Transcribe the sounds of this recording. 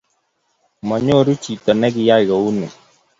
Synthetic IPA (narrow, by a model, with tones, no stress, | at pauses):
mɔ˨ɲo˦˨ɾu˦t͡ʃi˨tɔ˨nɛ˦ɡɪ˦ja˦˨ɣɔ˨u˦nɛ̰˨